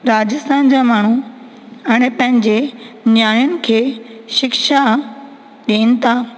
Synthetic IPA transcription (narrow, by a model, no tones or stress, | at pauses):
ɾaːd͡ʑɪst̪aːnd͡ʑaːmaːɳ̤u | ɛːñɛpɐ̃ɦɪ̃ɲd͡ʑenjaːjʊnɪ̆kʰeːʃɪkʃa | ɗiːñɪ̆t̪ʰaː